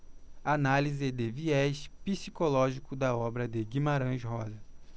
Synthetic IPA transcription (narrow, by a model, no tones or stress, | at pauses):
analizɪd̪eviɛʃpisikolɔʒikʊd̪ɐɔbɾɐd̪eɡimaɾɐ̃ʃɦɔzɐ